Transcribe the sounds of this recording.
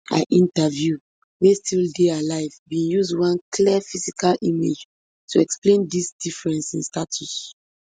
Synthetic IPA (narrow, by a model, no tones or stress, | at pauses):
a̰ʔĩntavju | westildealaɪvbĩnjuzdwãnkliəfizikalʔimḛd͡ʒ | tʰuɛksplẽndisdifɹɛ̃nsĩnstatʰus